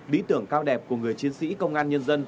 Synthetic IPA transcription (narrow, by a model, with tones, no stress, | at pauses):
ɗḭ˧˥t̪ɨ˧˩əŋkaː˧wɗɛ˨˩p̚ku˧˩əŋɨ˨˩əjt͡ɕi˨˦ənsḭ˧˥kə˧wŋ͡mʔaː˧nɲə˧nzə˧n